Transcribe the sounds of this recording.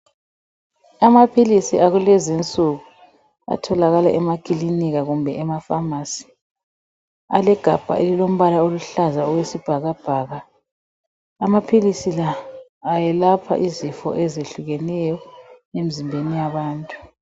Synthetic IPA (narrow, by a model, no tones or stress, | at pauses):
amapʰilisiaɣulɛzint͡sʼuɣu | a̰tʰɔlaɣala̰ʔɛmakʼiliniɣaɣumbʱɛɛmafamaːsi̥ | a̰lɛɡ̥ʱab̥ʱa̰ʔelilom̩βalaoluɬazaɔɣwesib̥ʱaɣab̥ʱaːɣa | mapʰilisilaː | jɛlapʰa̰ʔizifɔ̰ʔɛzeɬuɣɛnɛjɔemizimbʱenijaβaːntʼu